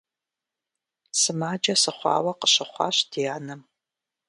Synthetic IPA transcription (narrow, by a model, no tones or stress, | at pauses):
sɨmaːd͡ʒɐsɨχʷɑ̰ːwɐqəɕɨχʷɑ̰ːɕdijaːnɐm